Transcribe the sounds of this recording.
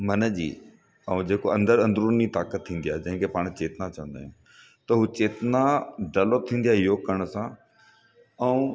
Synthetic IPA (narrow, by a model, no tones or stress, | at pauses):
mɐnəd͡ʑḭː | ɛũd͡ʑeːkoɐ̃nd̪əɾɐ̃nd̪ɾuːnit̪aːkət̪ʰːĩːn̆d̪ijaːɦed͡ʑɐ̃ɦɪ̃ŋkʰepaːɽ̃t͡ɕeːt̪nat͡ɕɐ̃ʋə̃nd̪ãː | t̪ɐɦuːt͡ɕeːt̪naɖɐlot̪ʰĩːnd̪iaɦɪjokɐɾəɽ̃ʊ̆sã | ɛ̃ũ